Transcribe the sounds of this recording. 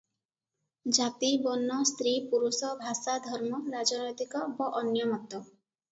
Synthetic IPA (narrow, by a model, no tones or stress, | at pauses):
d͡ʒat̪ibɔnːɔst̪ɾipuɾusɔbʱasad̪ʱɔɾmɔɾad͡ʒɔnɔjt̪ikɔbɔʔɔnjɔmɔt̪ɔ